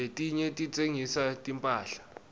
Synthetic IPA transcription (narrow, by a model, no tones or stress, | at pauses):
etʼiɲɛtʼit͡sʼeŋisatʼimpʼaːɬḁ